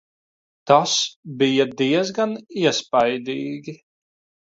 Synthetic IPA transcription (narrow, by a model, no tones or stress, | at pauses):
t̪asbijad̪iɛzɡaniɛspajd̪iːɡʲi